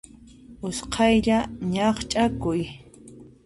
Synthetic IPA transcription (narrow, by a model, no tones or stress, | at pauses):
ʊsqʰɑjʎaɲɑχt͡ʃʼakʊj